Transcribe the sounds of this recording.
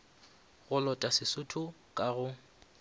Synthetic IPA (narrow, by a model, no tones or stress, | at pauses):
ɣʊlɔtʼasɪsʊtʰʊ | kʼaɣʊ